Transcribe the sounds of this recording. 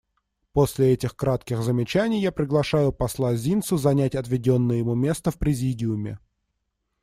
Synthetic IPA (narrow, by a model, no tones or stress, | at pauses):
posʲlʲɪɛtʲɪxkɾat̪kʲɪxzəmʲɪt͡ɕænʲɪjːapɾʲɪɡlˠɐʂajʊpɐslˠazʲint̪sʊzɐnʲætʲɐt̪vʲɪdʲo̞nːəjəjɪmumʲe̞st̪əfpɾʲɪzʲidʲɪʊmʲɪ̰